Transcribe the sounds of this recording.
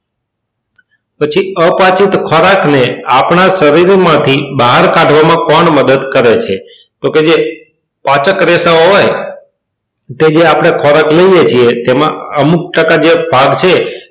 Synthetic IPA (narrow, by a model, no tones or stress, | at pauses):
pət͡ʃʰiəpãt͡ʃit̪kʰɔɾakneapɳaʃəɾiɾmãt̪ʰibaɦaɾkãʈʋamãkɔɳməd̪əd̪kəɾet͡ʃʰe | t̪oked͡ʒe | pat͡ʃəkɾesaɦoj | t̪ed͡ʒeapɽ̃ekʰɔɾakləijet͡ʃʰiet̪emã̰əmuk̚ʈəkad͡ʒebʱaɡt͡ʃʰe